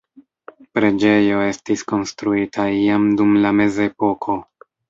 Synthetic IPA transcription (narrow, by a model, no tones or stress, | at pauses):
pɾe̞d͡ʒe̞jo̞e̞stisko̞nstɾuitʰaiamdumlame̞ze̞po̞kʰo̞